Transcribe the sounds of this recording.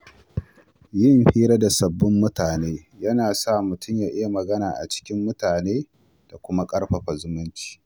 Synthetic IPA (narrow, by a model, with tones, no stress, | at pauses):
jɪ˦˨mɸiː˦ɾa˦da˨sɐ˨bːʊ˦mːʊ˦taː˨neː˦ | jɐ˦naː˨sa˦˨mʊ˨tʊ˦˨mjaː˨ʔɪ˦ja˦˨mɐ˨ɡɐ˦naː˨ʔa̰˨t͡ʃɪ̥˦kʲɪ˦mːʊ˦taː˨neː˦ | d̥a˨kʷʊ˦ma˦kʼɐ˦ɽɸɐ˨ɸa˨zʊ˦mʊ˦nt͡ʃi̥ː˦